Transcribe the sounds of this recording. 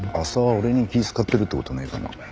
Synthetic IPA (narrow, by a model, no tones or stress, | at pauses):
asaβaoɾe̞ɲ̟ikʲiːsɨ̥kat̪ːe̞ɾɯt̪ːe̞kot̪oneikana̰